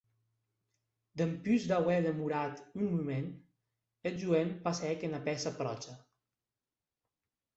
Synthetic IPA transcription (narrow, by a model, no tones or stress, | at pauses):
d̪əmpyzd̪awɛðəmuɾat̪unmumen | eʒuempasɛkenapɛsəpɾɔt͡ʃə